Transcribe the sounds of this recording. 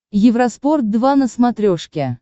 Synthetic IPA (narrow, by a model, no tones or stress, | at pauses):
jɪvɾɐsport̪̚d̪vanəsmat̪ɾʲoʂkʲe